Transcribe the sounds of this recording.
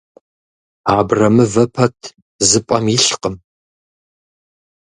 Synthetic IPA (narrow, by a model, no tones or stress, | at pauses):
aːbrɐmɨvɐpʰɐtʰ | zɨpʼɐmjiɬqəm